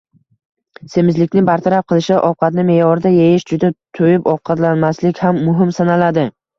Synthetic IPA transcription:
se̞mɪzlɪkʲnɪbaɾt̪ʰaɾap̚qʰɨlˠɪʃɪʔɒwqʰɑt̪̚nɪme̞jɒɾɪd̪ajejɪʃd͡ʒʊd̪at̪ʰojɪpɒwqʰɑt̪lanmaslɪkʲhamːʊɦɪmsanalad̪ɪ

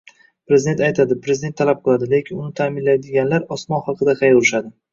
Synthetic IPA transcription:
pɾezɪd̪e̞nt̪ajt̪ʰad̪ɪpɾe̞zɪd̪ent̪ʰːalap̚qʰɨlˠad̪ɪle̞kʲʰɪnʊnɪt̪ʰamɪnlajd̪ɪɡʲanlaɾɒsmɒnhɑqʰɨd̪aqʰɑjʊɾɪʃad̪ɪ

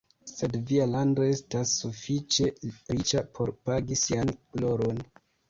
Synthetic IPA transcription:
se̞dvialando̞e̞stasːufit͡ʃe̞ɾit͡ʃapʰo̞ɾpaɡisianklo̞ɾo̞n

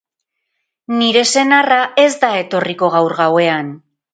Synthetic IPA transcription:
niɾe̞se̞naraʔe̞zd̪ae̞t̪o̞riko̞ɣ̞awɾɣawe̞an

